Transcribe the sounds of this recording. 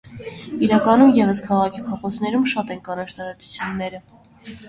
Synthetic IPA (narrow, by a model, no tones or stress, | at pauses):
iɾɑkɑnumjɛvəskʰɑʁɑkʰipʰɔχɔt͡snɛɾumʃɑt̪ɛnkɑnɑʃt̪ɑɾɑt͡sʰu̥t͡sʰjunːɛɾə